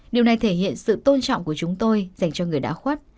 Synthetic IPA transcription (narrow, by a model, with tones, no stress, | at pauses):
ɗi˨˩əwna˨˩jt̪ʰe˧˩hḭ˧˨ənsɨ̰˧˨t̪o˧nt͡ɕɔ̰˧˨wŋ͡mku˧˩ət͡ɕʊ˨˦ŋ͡mt̪o˧jza˨˩jŋ̟t͡ɕɔ˧ŋɨ˨˩əjɗa̰ː˧˥xwaː˦˥t̚